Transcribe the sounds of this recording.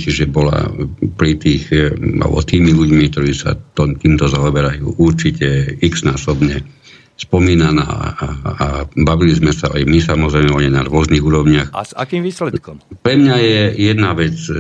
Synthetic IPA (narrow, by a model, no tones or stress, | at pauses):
t͡ʃiʒɛbɔla̰pɾit̪iːxa̰lbɔ̰t̪iːmiluɟmik̚t̪ɔɾiːsa̰t̪ɔmt̪iːmt̪ɔzaɔbɛɾajṵːʔuɾt͡ʃicɛikz̥naːsɔbɲɛ | spɔmiːnana̰ːabaʋilizmɛsaajmisamɔzɾɛɪmɛɔɲɛnaɾʋʊɔzniːɣuːɾɔʊɲɪaxa̰zakiːmʋiːslɛt̪̚kɔmpɾɛmɲajɛjɛd̪naʋɛt͡s